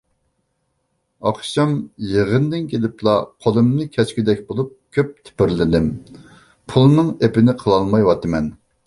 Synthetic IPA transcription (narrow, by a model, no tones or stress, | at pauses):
ɑqʃɑmjəʁənd̪ɪnkʲʰelɪplˠɑqʰolˠɨmnɨkʲʰɛskʲid̪ɛkʲbolˠup̚kʲʰøp̚t̪ʰɪ̥pɪɾlɪd̪ɪm | pʰulˠnɨŋepɪnɪqʰəlˠɑlˠmɑjwɑt̪ɨmɛn